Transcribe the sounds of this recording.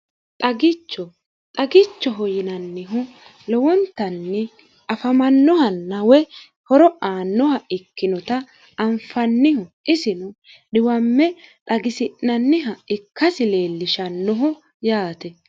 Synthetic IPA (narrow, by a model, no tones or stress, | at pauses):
t̪ʼɐɡɪt͡ʃːɔ | t̪ʼɐɡɪt͡ʃːɔɦɔjɪnɐnːɪɦʊ | lɔwɔnt̪ːɐnːɪ | ɐfɐmɐnːɔhɐnːɐwɛ | hɔɾɔʔaːnːɔhɐʔɪkːɪnɔt̪ɐː | mfɐnːɪhʊɪsɪnʊ | dɪwɐmːɛt̪ʼɐɡɪsɪʔnɐnːɪɦɐɪkʰːɐsɪleːlːɪʃɐnːɔɦʊ | jaːt̪ɛ